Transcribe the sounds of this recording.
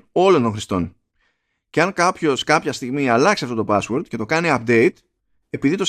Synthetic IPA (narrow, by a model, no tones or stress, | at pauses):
o̞lo̞nt̪o̞ŋxɾist̪o̞n | ceɐŋkɐpço̞skɐpçɐst̪iɣmiɐlɐksiɐft̪o̞t̪o̞pɐswoɾd̪ce̞t̪o̞kɐniɐp̚d̪e̞it̪ | e̞piðit̪o̞s